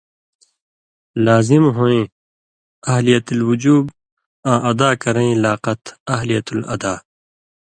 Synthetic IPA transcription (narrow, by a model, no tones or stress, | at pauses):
laːzimɦõːẽː | ɐɦlijɐt̪ulwʊd͡ʑuːb | ãːʔɐd̪aːkɐɾẽlaːqɐt̪ɐɦlijɐt̪ulɐ̰d̪aː